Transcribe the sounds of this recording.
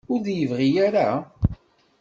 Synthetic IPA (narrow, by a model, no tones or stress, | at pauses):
ʊɾðjəvʁijaɾa